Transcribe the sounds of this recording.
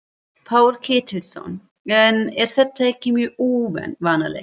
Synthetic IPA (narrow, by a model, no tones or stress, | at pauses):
pʰaːwɾ̥kʰɪːt̪ʰɪlsɔ̰n | ɛnɛɾ̥θɛt̪ːaɛhcːɪmjœːuːvɛ̰nvaːnalḛ